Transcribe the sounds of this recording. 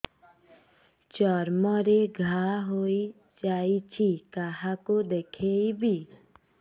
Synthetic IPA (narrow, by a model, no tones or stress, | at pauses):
t͡ʃɔɾmɔɾeɡʱaɦoi | d͡ʒait͡ʃʰikaɦakud̪ekʰejbi